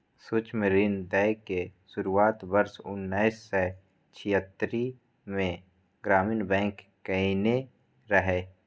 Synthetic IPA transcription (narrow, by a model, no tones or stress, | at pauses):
sʊt͡ʃməɾiːnd̪ɛkeʃʊɾuaːt̪bəɾsʊ̰nːaɪsːe | t͡ʃʰɪjət̪ːɾi | mẽ | ɡɾaːminbɛ̃ːŋkːəine | ɾəɦeː